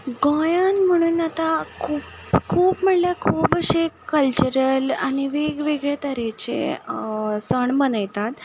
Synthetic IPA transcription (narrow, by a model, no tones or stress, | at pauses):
ɡɔ̃jãnm̤əɽ̃uːnat̪akʰuːp | kʰuːpm̤əɽljakʰuːbəɕekəlt͡ɕuɾəla̰ɽ̃iʋeɡʋeɡɭet̪əɾet͡ɕḛ | səɳbənəjt̪at̪